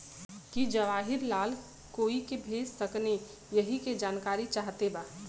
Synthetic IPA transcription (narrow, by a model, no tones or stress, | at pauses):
kid͡ʒəʋaːɦɪɾlaːl | koːikebʱeːd͡ʒsəkne | jəɦiked͡ʒaːnkaːɾit͡ʃaːɦt̪ebaː